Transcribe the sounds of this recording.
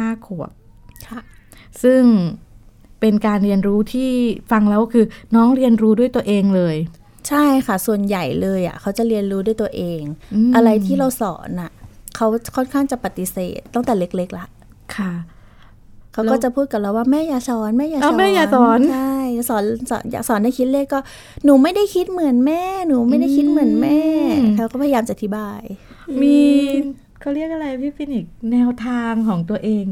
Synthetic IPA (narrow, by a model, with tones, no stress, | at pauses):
aː˥˩kʰu˨˩əp̚ʰ | sɯ˥˩ŋ | pe˧nkaː˧nɾi˧ənɾuː˦˥t̪ʰiː˥˩fa˧ŋlɛː˦˥wkʰɯː˧nɔː˦˥ŋɾi˧ənɾuː˦˥du˥˩əjt̪u˧əʔeː˧ŋlɤː˧j | t͡ɕʰa˥˩jkʰa˥˩su˨˩ənja˨˩jlɤː˧jʔa̰˩kʰa˦˥wt͡ɕa˨˩ʔɾi˧ənɾuː˦du˥˩jt̪u˧əʔeː˧ŋʔɯ˧ʔa˧ɾa˧jt̪ʰiː˥˩ɾa˧wsɔ̰ː˩˦nʔa˨˩kʰa˦˥wkʰɔ˥˩nkʰaː˥˩ŋt͡ɕa˨˩pa˧˩t̪i˧˥sḛː˨˩t̪ːa˥˩ŋt̪ɛː˨˩le˦˥k̚le˦˥k̚la˦˥ʔ | kʰa˥˩ | kʰa˦˥kɔː˥˩t͡ɕa˨˩pʰuː˥˩t̪̚ka˨˩ɾa˧˩waː˥˩mɛː˥˩jaː˨˧˩sɔː˨˩˦nmɛː˥˩jaː˧a˧˦mɛː˥˩jaː˨˧˩sɔː˨˩˦nt͡ɕʰa˥˩jsɔː˩˦nsɔ̰ː˩˦nja̰ː˨˩k̚sɔː˩˦nda˥˩jkʰi˦t̪̚le˥˩kːɔː˥˩ | nuː˨˦ma˥˩jda˥˩jkʰi˦˥t̪̚mɯ˨˩˦ənmɛː˥˩nuː˨˩˦ma˥˩jda˥˩jkʰi˦˥t̪̚mɯ˩˦ənmɛː˥˩t̪ʰɛ˧wkɔː˥˩a˧jjːmt͡ɕa˨ʔa˧t̪ʰi˦˥baː˧j | miː˧ | kʰa˧˥˩ɾi˥˩ək̚ʔa˨˧ɾa˧jpʰiː˦˥˩pi˧ni˨˩k̚nɛː˧wt̪ʰaː˧ŋkʰɔː˩˦ŋt̪u˧ɐʔeː˧ŋ